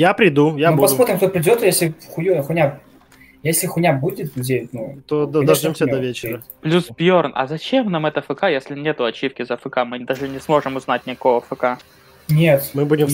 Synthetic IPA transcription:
japɾʲɪd̪ujanupɐsmo̞t̪ɾʲɪmkt̪opɾʲɪdʲot̪jesʲlʲɪxʊjuxʊnʲa | jesʲlʲɪxʊnʲabudʲɪt̪ʲdʲelʲɪt̪ʲnut̪od̪ɐd̪ɐʐdʲomsʲəd̪ɐvʲet͡ɕɪɾə | plʲusbʲjornʔɐ̰zɐt͡ɕemnamɛt̪əfɨkajesʲlʲɪnʲet̪ʊɐt͡ɕːifkʲɪzəfɨkamɨd̪aʐɨnʲɪsmo̞ʐɨmʊznat̚ʲnʲɪko̞vəfɨka | nʲet̪mɨbudʲɪm

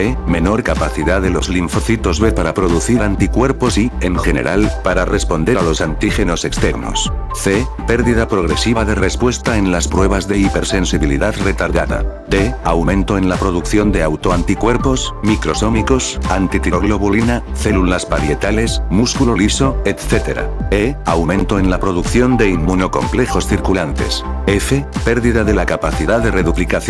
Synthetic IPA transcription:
eme̞no̞ɾkapaθiðaðelo̞zliɱfoθit̪o̞zβepaɾapɾo̞ðuθiɾant̪ikwe̞ɾpo̞sieŋxe̞ne̞̰ɾʔalpaɾare̞spo̞nd̪e̞ɾalo̞sant̪ixe̞no̞se̞kst̪e̞ɾno̰s | θepe̞ɾðiðapɾo̞ɣɾe̞siβaðe̞re̞spwe̞st̪ae̞nlaspɾwe̞βazðe̞ipe̞ɾse̞nsiβilḭðaðre̞t̪aɾðaða̰d̪eawmẽnt̪o̞e̞nlapɾo̞ð̞ukθjo̞nd̪e̞awt̪oant̪ikwe̞ɾpo̞smikɾo̞so̞miko̞sant̪it̪iɾoɣlo̞βulinaθe̞lulaspaɾje̞t̪ale̞smuskuloliso̞et̪θe̞t̪e̞ɾa̰eawmẽ̞nt̪oe̞nlapɾo̞ðukθjond̪e̞imːuno̞ko̞̰mple̞xo̞sθiɾkulant̪e̞̰sefepe̞ɾðiðaðe̞lakapaθiðaðe̞re̞ðuplikaθ

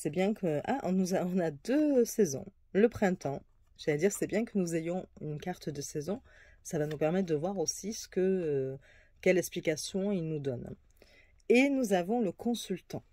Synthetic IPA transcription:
sɛbjɛ̃kʰəʔaʔɔ̰̃nuzaɔ̃nad̪øsɛzɔ̰̃ | ləpχɛ̃t̪ɑ̃ | ʒ̥alɛd̪iʁsɛbjɛ̃kənuzejɔ̃ynkaʁt̪d̪əsɛzɔ̃ | savanupɛʁmɛt̪χd̪əvwaʁosisə̥kəø | kʲɛlɛksplikasjɔ̃ilnud̪ɔn | enuzavɔ̃ləkʰɔ̃sylt̪ɑ̃

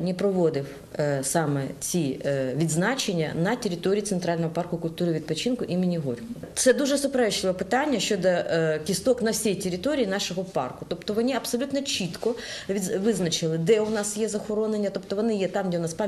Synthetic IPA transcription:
nʲɛpɾɔʋod̪ɪw | sɑmɛt͡sʲiʋʲid̪znɑt͡ʃenʲːɐ̰nɐtʲeɾʲɪt̪oɾʲijit̪ɛnt̪ɾɑlʲnɔɦɔpɑrkʊkʊlʲt̪uɾɪʋʲid̪pɔt͡ʃinkʊʔimɪnʲiɦɔ̰rʲkʊ | t̪sɛd̪uʒɛsʊpeɾɛʃlˠɪʋɔpɪt̪anʲːɐʃt͡ʃɔd̪ɐkʲist̪ɔknɐwsʲijtʲeɾʲɪt̪oɾʲijinɑʃɔɦɔpɑ̰rkʊt̪ɔpt̪ɔʋɔnʲiɐpsɔlʲut̪nɔt͡ʃit̪kɔiʋɪznɐt͡ʃɪlˠɪd̪ɛʊnɑsjɛzɐxɔɾɔnenʲːɐt̪ɔpt̪ɔʋɔnɪjɛt̪ɑmdʲɛʊnɑspɑ

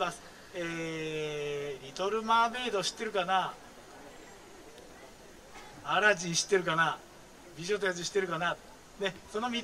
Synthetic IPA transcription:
asɨ̥ | eː | ɾʲit̪o̞ɾɯ̟maːbe̞ːd̪oɕi̥t̪ːe̞ɾɯ̟kana | aɾad͡ʑiɲɕi̥t̪ːe̞ɾɯ̟kana | bʲiʑot̪̬ojat͡s̬ɨɕi̥t̪ːe̞ɾɯ̟kana | ne̞so̞no̞mʲi

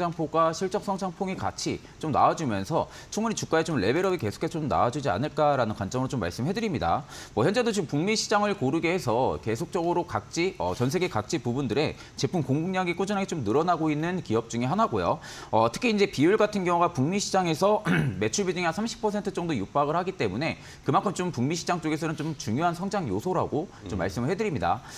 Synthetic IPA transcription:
aŋpʰoɡwaɕʰiɭt͡ɕ͈ʌks͈ʰʌŋsʰaŋpʰoŋika̰t͡ɕʰi | t͡ɕomna̰ad͡ʑumjʌnsʰʌ | t͡ɕʰuŋmuɲit͡ɕuk͈aet͡ɕomɭe̞be̞ɾʌbike̞sʰo̥kʰesʰʌt͡ɕomna̰ad͡ʑud͡ʑia̰nɯɭk͈aɾanɯnkwant͡ɕ͈ʌmɯɾot͡ɕomːa̰ɭs͈ɯmɦe̞dɯɾimɲida̰mwʌçjʌnd͡ʑe̞dot͡ɕompuŋmiɕʰid͡ʑaŋɯɭkoɾɯɡehe̞sʰʌke̞sʰok̚t͡ɕ͈ʌɡɯɾokak̚t͡ɕ͈iʌ̰t͡ɕʌns̬ʰe̞ɡekak̚t͡ɕ͈ipubundɯɾe̞ | t͡ɕe̞pʰumkoŋɡuŋɲaɡik͈od͡ʑʌnɦaɡet͡ɕomnɯɾʌnaɡoinːɯnkiʌp̚t͡ɕ͈uŋiɦanaɡojo̰ | ʌtʰɯ̥kʰiind͡ʑe̞piuɭɡatʰɯnɡjʌŋuɡapuŋmiɕʰid͡ʑaŋe̞sʰʌme̞t͡ɕʰuɭbidɯŋasʰamɕʰi̥pʰʌsʰe̞ntʰɯt͡ɕ͈ʌŋdojup͈aɡɯɭhaɡit͈e̞mune̞ | kɯmankʰɯmt͡ɕompuŋmiɕʰid͡ʑaŋt͡ɕ͈oɡe̞s̬ʰʌnɯnt͡ɕomt͡ɕuŋjoɦansʰʌŋd͡ʑaŋjosʰoɾa̰ɡo | t͡ɕomːa̰ɭs͈ɯmɯɭhɦe̞dɯɾimɲida̰

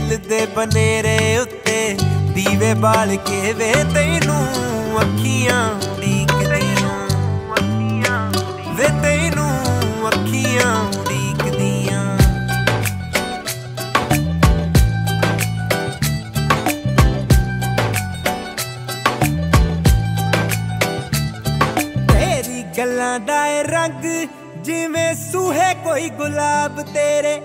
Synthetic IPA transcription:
lɪd̪eːbəneːɾeːʊt̪ːeːd̪iːʋeːbaːlkeːʋeːt̪eĩnũːəkʰːijãːɖiːkdĩː | kʰã | ʋeːt̪einũːəkʰːijãːɽiːkd̪ijãː | meːɾiːɡəlːãːd̪aːeɾəŋɡ | d͡ʒɪʋẽːsuːɦeːkoːiːɡʊlaːbt̪eːɾeː

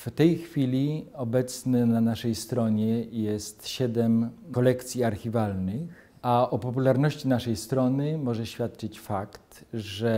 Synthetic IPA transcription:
ft̪ɛjxfʲilʲiɔbɛt̪snɛnanaʂɛjst̪ɾɔɲɛjɛst̪ɕɛd̪ɛmkɔlɛkt̪sʲjiaɾxʲivalnɘx | aʔɔpɔpulaɾnɔɕt͡ɕinaʂɛjst̪ɾɔnɘmɔʐɛɕfʲjat̪̚t͡ʂɘt͡ɕfakt̪ʐɛ

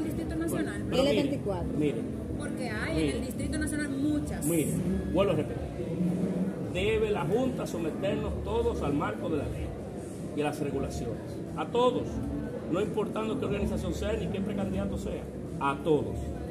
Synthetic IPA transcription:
ld̪ist̪ɾit̪onasonapeɾolemiβeɾikwat̪ɾomiɾḛŋ | poɾkeamield̪ist̪ɾit̪onasjonalmũt͡ʃasmĩɾeŋɡwalβerepet̪io | d̪e̞βelaɦunt̪aso̞me̞t̪e̞ɾno̞st̪o̞ðo̞salmaɾko̞ðe̞lalḛ | ialasreɣulasjo̞nes | at̪o̞ðo̞s | no̞impo̞ɾt̪and̪o̞keɾɣanisasjo̞ŋseanike̞pɾe̞kand̪iðat̪o̞se̞a̰ | at̪o̞ðos

